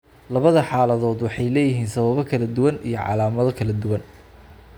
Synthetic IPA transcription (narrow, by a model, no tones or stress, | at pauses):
lɐβɐðɐħaːlɐðɔːd̪wɑħɑjlɛːjɪɦiːnsɐβɐβɔkʰɐlɐd̪ʊwɐnḭjɞʕɑ̰laːmɐðɔkʰɐlɐd̪ʊwɐn